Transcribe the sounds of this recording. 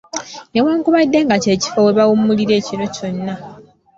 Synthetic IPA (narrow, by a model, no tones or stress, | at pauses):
newaːŋkuβadːe̞ŋɡace̞ːci̥fowe̞βawumuliɾe̞ːcino̞co̞nːa